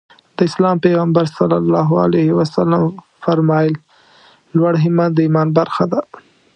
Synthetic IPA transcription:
d̪əɪslɑmpeɣambaɾsalːalːɑɦa̰lehiwasalam | faɾmɑjɪl | lwaɽɦɪmad̪əimɑnbaɾxad̪a

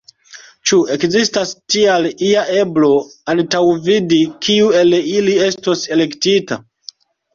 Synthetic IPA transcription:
t͡ʃue̞kzistastialiaʔe̞blo̞antawvidikʰiue̞lilie̞sto̞se̞le̞ktita̰

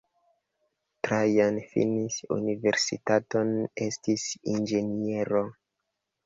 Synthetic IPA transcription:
tɾajanfḭnisṵnive̞ɾsḭtato̞nestisind͡ʒe̞nie̞ɾo

